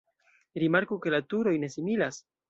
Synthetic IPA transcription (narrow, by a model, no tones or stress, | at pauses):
ɾimaɾkuke̞latuɾo̞jne̞similas